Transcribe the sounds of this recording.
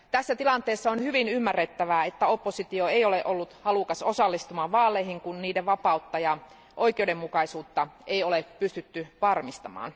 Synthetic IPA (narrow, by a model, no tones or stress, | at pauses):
t̪æsːæt̪ilɑnt̪ˑeːsːɑonhyʋinymːærːet̪ːæʋæet̪ːæopːosit̪ioeijoleʔolːut̪hɑlukɑsosɑlːist̪umɑʋʋɑːlˑeihiŋkunniːdeʋʋɑpɑut̪ːɑjɑ | ʔo̞ikeudemmukɑisuːt̪ːɑeiolepyst̪yt̪ːyʋɑrmist̪ɑmɑ̰ːn